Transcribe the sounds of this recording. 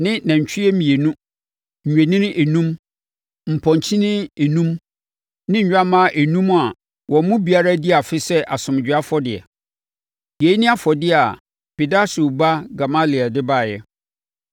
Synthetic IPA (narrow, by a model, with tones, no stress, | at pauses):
nɪ̃˦nã˨ɲ̩˨t͡ɕʰᶣi˦ɛ˦mĩ˨e˨nũ˦ | ɲ̩˨ɥᶣe˨nɪ̃˦nɪ̃˦ʔe˨nũ˦m | m̩˨pʰɔ̃˨ɲ˨t͡ɕʰĩ˦nɪ̃˦e˨nũ˦m | nɪ̃˦ɲ̩˨ɲᶣ˦a˦mã˦ʔe˨nũ˦m˦a˨ | wɔ̃˨mʊ̃˦bi˨a˦ɾa˦dɪ˦a˨fɪ˦sɛ˦ʔa˨sʊ̃˨m˨d͡ʑᶣa˦fɔ˦dɪ˨ɛ̰˨ | je˨˦nɪ̃˦a˦fɔ˨dɪ˦a˨ | pi˨da˦su˨ba˦ɡa˨ma˦li˨a˨dɪ˦ba˦˨jɛ˦